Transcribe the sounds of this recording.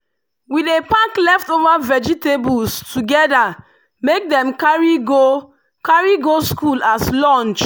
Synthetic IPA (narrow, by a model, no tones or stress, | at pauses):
widepaklɛftovavɛd͡ʒitebulstuɡɛda | mek̚dɛ̃mkaɹiɡo | kaɹiɡoskulaslɔ̃nt͡ʃ